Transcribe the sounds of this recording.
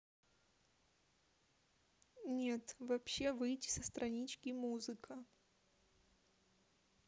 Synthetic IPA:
nʲet̪vɐpɕːevɨjtʲɪ̥səst̪ɾʔɐnʲit͡ɕkʲɪmuzɨkʰə

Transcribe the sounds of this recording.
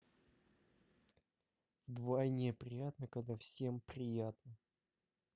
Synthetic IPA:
vd̪vajnʲɪəpɾʲɪjat̪nəkɐɡd̪afsʲempɾʲɪjat̪nə

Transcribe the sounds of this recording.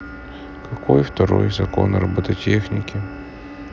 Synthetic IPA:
kɐkojft̪ɐɾo̰jzɐko̰nɾɐbɐt̪ɐtʲexnʲɪkʲɪ

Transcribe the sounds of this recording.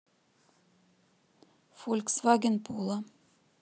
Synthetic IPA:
fɔlksvɑːɡənpʰuːlˠa

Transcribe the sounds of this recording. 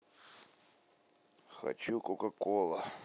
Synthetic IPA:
xɐ̰t͡ɕukokɐkolˠə

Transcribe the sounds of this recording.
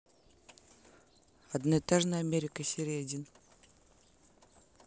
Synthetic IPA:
ɐd̪nəɪt̪aʐnəɐmʲeɾʲɪkəsʲɪɾʲedʲin

